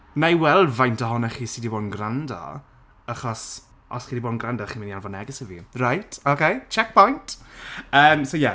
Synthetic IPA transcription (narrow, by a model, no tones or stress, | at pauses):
majwɛlˠvajntʰɔɦɔnɛχiːsidiboːdn̩ɡrandɔ̰ | aχɔs | ɔsχiːdiboːdn̩ɡrandɔχiːmɪnianvɔnɛɡɛsəvḭrajtʰokʰejt͡ʃʰɛk̚pʰɔjnt | əːmsowjɛ